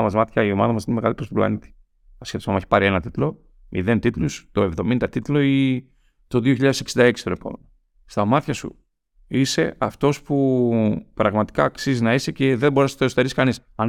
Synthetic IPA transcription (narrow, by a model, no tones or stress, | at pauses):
mɐzmɐt̪çɐio̞mɐðɐmɐsinemeɣɐlipɾost̪oplɐ̰nit̪i̥ | ɐsçeθosɐmɐçi̥pɐɾie̞nɐt̪it̪lo̞ | mḭðe̞nt̪it̪lust̪o̞evðo̞mind̪ɐt̪it̪lo̞i | t̪o̞ðioçiʎɐðese̥ksind̪ɐe̞ksi̥t̪onepo̰memo | st̪ɐmɐt̪çɐsṵ | ise̞ɐft̪o̞spu | pɾɐɣmɐt̪i̥kɐːksizinɐiseceðe̞bo̞ɾesnɐt̪osot̪eɾisi̥kɐnisɐn